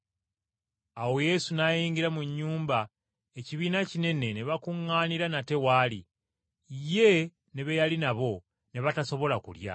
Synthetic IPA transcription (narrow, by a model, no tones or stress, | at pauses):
awo̞je̞sunajiːŋɡiɾamuɲːuːmba | e̞ciβiːnacine̞ne̞neβakuŋːaːniɾanate̞waːlḭ | ije̞ | neβejalinaβo̞ | ne̞βataso̞βo̞lakṵlja̰